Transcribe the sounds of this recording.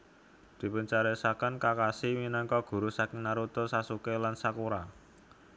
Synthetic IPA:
d̪̥i̤pəɲt͡ʃaɾɛsakənkakasiwinaŋkɔɡ̥ṳɾusakinaɾut̪osasukelansakuɾa

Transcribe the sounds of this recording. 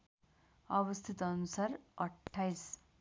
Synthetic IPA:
ʌbʌst̪ʰit̪ʌnusaɾʌʈʰːajs

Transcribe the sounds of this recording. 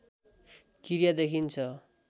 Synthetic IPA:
kiɾjad̪ekʰint͡sʰʌ

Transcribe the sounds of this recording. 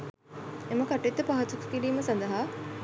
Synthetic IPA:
eməkaʈːet̪ːəpaɦɐt̪ukɐ̥kiliːməsɐnd̪ɐɦaː

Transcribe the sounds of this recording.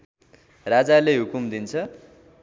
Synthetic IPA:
rad͡zaleɦukumd̪int͡sʰʌ

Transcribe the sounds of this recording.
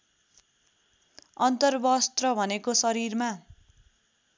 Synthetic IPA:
ʌnt̪ʌrbʌst̪rʌbʱʌnekosʌɾirma

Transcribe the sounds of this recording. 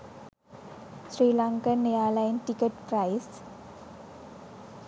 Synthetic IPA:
sɾilaŋkənejalajnʈikəʈpɾajs

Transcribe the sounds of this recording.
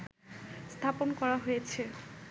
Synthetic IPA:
st̪ʰaponkɔɾaɦojet͡ɕʰe

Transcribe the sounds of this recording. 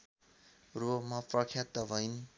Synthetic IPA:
rumaprʌkʰjat̪ːʌbʱʌin

